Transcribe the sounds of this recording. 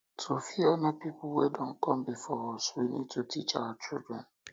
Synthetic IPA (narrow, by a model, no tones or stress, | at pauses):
tʰofiɔnepipʊwedɔ̃ŋ̩kɔm̩bɪfɔɔswinid̚tutit͡ʃawat͡ʃɪ̰dɹɛn̩